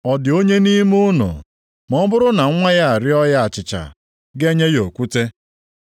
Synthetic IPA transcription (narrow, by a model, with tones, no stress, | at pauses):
ɔ˨dɪ˨o˦ɲe˦ni˦mu˦no̰˨ | mɔ˦bʊ˦ɾʊ˦na˨˦ŋʷa˦ja˦a˨ɾɪ˦ɔ˦ja˦a˨t͡ʃɪ˨t͡ʃa̰˨ | ɡe˦ɲe˦jo˨kʷu˦te˦